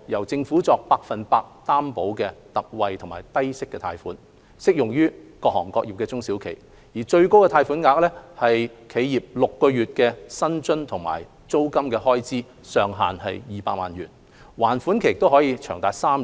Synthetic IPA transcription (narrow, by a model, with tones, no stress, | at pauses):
jɐ˨˩wt͡sɪ˧ŋfuː˨˥t͡sɔː˧k̚paː˧k̚fɐ˨npaː˧k̚t̪aː˥mpo˨˥wkɛː˧t̪ɐ˨k̚wɐ˨jt̪ʰʊ˨˩ŋmaː˨˩jt̪ɐ˥jsɪ˥kːɛː˧t̪ʰa̰ː˧jfuː˨˥n | sɪ˥k̚jʊ˨ŋjyː˥kɔː˧k̚hɔː˨˩ŋkɔː˧k̚jiː˨˩pkɛː˧t͡sʊ˥ŋsiː˨˥wkʰḛ˨˩j | jiː˨˩t͡ʃɵ˧ɥko˥wkɛ˧t̪ʰaː˧jfuː˨˥nŋaː˧k̚lɛ˥hɐ˨jkʰe˨˧jjiː˨p̚lʊ˨kːɔː˧ɥyː˨t̚kɛː˧sɐ˥nt͡sɵ˥nt̪ʰʊ˨˩ŋma̰ː˨˩j | t͡so˥wkɐ˥mkɛ˧ɦɔː˥jt͡siː˥ | sœː˨˧ŋɦa̰ː˨nɦɐ˨jjiː˨˩pa̰ː˧k̚ma̰ː˨˩nɥyː˨˩n | waː˨˩nfuː˨˥nkʰe˨ɪ˨k̚t̪o˥wɦɔː˨˥jiː˧t͡ʃʰœː˨˩ŋt̪aː˨˧jsaː˥m˨